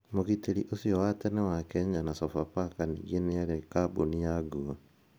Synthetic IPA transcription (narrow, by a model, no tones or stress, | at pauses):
moɣiteɾiʔosiɔwatɛnewakɛɲanasɔfapakanḭɡieneaɾekabonijaɡua